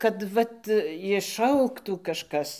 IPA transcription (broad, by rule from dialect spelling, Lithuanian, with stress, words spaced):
kɐt ˈʋɐt ɪʃˈɐʊktuː ˈkɑːʃkɐs